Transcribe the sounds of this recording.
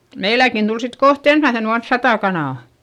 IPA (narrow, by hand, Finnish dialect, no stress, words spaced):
meilækin d̥ul sit koht ensmæisen uɑns sɑtɑˑ kɑnɑˑ